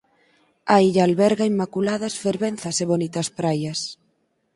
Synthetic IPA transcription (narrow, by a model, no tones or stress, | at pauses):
aiʎaːlβɛɾɣɐimːakulaðɐsfeɾβen̟θɐseβonit̪ɐspɾajɐs